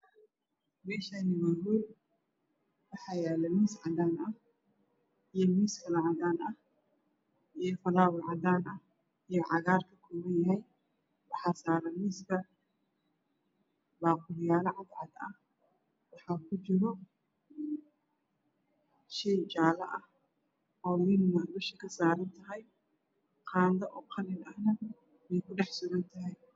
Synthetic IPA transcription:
mɛːʃanɪβɐwul | wɑħɑjɛlɐmɪsʕɑd̪aːnʔɐ | ʔijɔmiskɐlɐʕad̪aːnʔɐ | ʔijɔfɐlaːwɪʕɑd̪aːnʔɐ | ijɔʕɑɣaːrkʰɐkʰɔːmɐnjɐɦɛj | wɑħasaːɾɐmɪsbɐ | baːqʊljaːlɐʕɑd̪ʕɑd̪ɐh | wɑħɑːkʰʊt͡ʃɪɾɔ | ʃɛt͡ʃaːlɐʔɐh | ɔːwɪnmɐbɐʃɐkʰɐsaːɾɐnt̪ʰɐɦɛj | qʰɑːnd̪ɐʔɔːqʰɑlɪnɐhnɐ | mɛjkʰʊɖɑħsʊɣɐnt̪ʰɐɦɛj

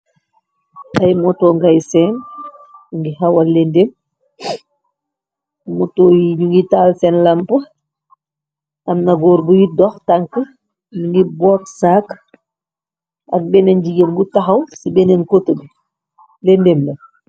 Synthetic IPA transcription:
ʔajmɔtɔːŋɡajsɛn | uŋɡihawalːɛndem | mɔtɔːjiɲuŋɡitaːlsɛnlampə | ʔɐmnaɡɔːɾbujidɔxtaŋkə | miŋɡibɔksak | ʔɐk̚bɛnɛnd͡ʒiɡenbutaxɐwsibɛnɛnkotəbi | lɛndemlɛ

